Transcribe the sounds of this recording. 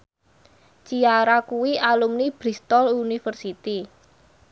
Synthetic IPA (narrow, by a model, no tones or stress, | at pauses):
t͡ʃiaɾakuwiʔalumnib̥ɾist̪ɔlunifərsit̪i